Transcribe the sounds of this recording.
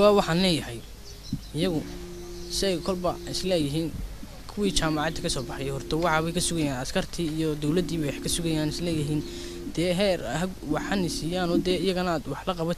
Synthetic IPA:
aːwɑħɑːnlɛːjɐɦɛj | ɪjɐɣʊ | sɪɛjkʰɔlbɐɪslɛːjɪɦiːn | kʰʊwiːt͡ʃaːmɑʕɑːd̪ɐkʰɐsɔːbɑħɑjɛjhɔrt̪ʰɐwɑħɑβɛjkʰɐsʊɣɐjaːnɐskʰɐrt̪ʰiːijɔd̪ɔwlɐd̪iːβɛjkʰɐsʊɣɐjaːnɪslɛːjɪɦiːn | d̪̥ɛːɦɛːrɦɐɡwɑħhɐnɪsiːjaːnɔd̪ɛːɪjɐɣɐnɐaːd̪wɑħlɐqɑβɔ

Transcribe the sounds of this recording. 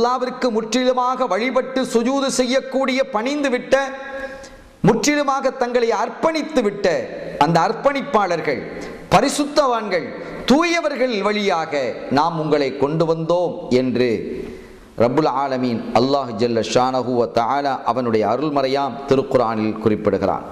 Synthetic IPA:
lːaːʋɪrkːɯmʊʈrɪðɐmaːɣɐʋɐɻɪpɐʈːɯsʊd͡ʒuːðɯsɛjːɐkːuːɽɪjɐpɐɳɪnd̪ɯʋɪʈːɐ | mʊʈrɪðɐmaːɣɐt̪ːɐŋɡɐɭɐjɐrpɐɳɪt̪ːɯʋɪʈːɐɐnd̪ɐːrpɐnɪpːaːɭɐɾɣɐɭ | pɐɾɪsɯt̪ːɐʋaːnɡɐɭt̪uːjɐʋɐɾɣɐɭɪlʋɐɭɪjaːɣɐnaːmʊŋɡɐɭɐɪkːɔɳɖɯʋɐnd̪oːmɛndrɯ | rɐbːɯlʕaːlɐmiːnɐlːaːhd͡ʒɐlːɐʃaːnɐɣʊʋɐt̪ɐʕaːlaːʔɐʋɐnɯɽɐjɐːɾɯlmɐɾɐjaːmt̪ɪɾɯqʊɾaːnɪlkʊrɪpːɪɽɯɣɪɾa̰ːn

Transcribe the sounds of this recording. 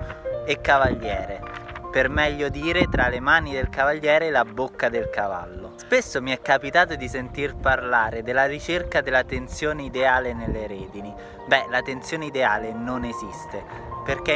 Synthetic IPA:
ekːavaʎːjɛːɾepermɛʎːod̪iːɾet̪ɾalemaːnid̪elkavaʎːɛːɾelabokːad̪elkava̰lːo̰spesːomiɛkːapit̪aːt̪̬od̪isent̪irparlaːɾed̪elːarit͡ʃerkad̪elːat̪ent̪sjoːneid̪eaːlenelːeɾeːd̪ini | bɛlat̪ent̪sjoːneid̪eaːlenonezist̪e | perk̟e

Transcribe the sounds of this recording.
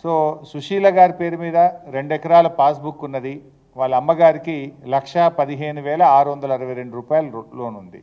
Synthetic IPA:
soːsuʂiːlɐɡaːɾipe̞ːɾumiːd̪ɐɾe̞ɳɖɛkɐɾaːlɐpaːsbukːunːɐd̪i | ʋaːɭːɐɐmːɐɡaːɾikilɐkʂɐpɐd̪iɦeːnuʋɛːlɐaːɾuʋɐnd̪ɐlɐɾɐʋɐjɾe̞ɳɖuɾuːpaːjɐlɐlo̞ːnund̪i

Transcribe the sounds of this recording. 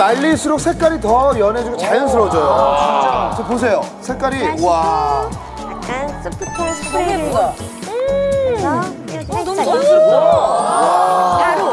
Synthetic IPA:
naʎːisʰuɾok̚sʰe̞k͈aɾitʌjʌne̞d͡ʑuɡot͡ɕajɯns̬ʰɯɾʌd͡ʑʌjo | t͡ɕʌpos̬ʰe̞josʰe̞k͈aɾiwa

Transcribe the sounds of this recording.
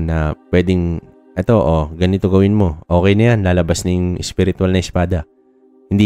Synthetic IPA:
nɐpwɛːd̪ɪŋ | ʔɛt̪o̞ʔoɡɐnɪt̪o̞ɡɐwɪnmo̞ʔo̞ːkɛjnɐjanlaːlɐbasnɐjʊŋʔɛspɪɾɪt̪ʊalnɐʔɪspaːd̪ɐ | hɪnd̪i

